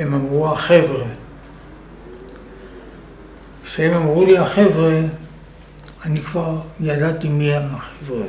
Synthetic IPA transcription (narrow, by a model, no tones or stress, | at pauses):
emamʁuaχe̞vʁe | kʃeemamʁuliaχe̞vʁe | anikvaʁjadatimiemaχevʁe